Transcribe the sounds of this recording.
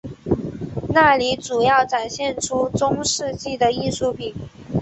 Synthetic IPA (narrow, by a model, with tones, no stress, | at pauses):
na˥˩li˧˥ʈ͡ʂu˨˩jɑ˥˩ʊʈ͡ʂa˨˩nɕjɛ˥˩nʈ͡ʂʰu˥ʈ͡ʂʊ˥ŋʂɻ̩˥˧t͡ɕi˥˩d̪ə˩i˥˧ʂu˥˩pʰi˨˩˦